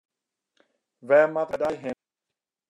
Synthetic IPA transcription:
vɛmakadajɦe

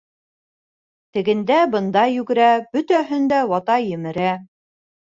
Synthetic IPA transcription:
t̪ɘ̆ɡɘ̆nd̪æbɤ̆nd̪ɑjʉɡɘ̆ɾæbɵt̪æɦɵnd̪æwɑt̪ɑjɘ̆mɘ̆ɾæ

